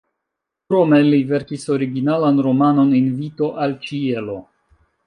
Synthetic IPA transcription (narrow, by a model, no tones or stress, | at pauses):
kɾome̞live̞ɾkiso̞ɾiɡinalanɾo̞mano̞ninvito̞ʔalt͡ʃie̞lo̞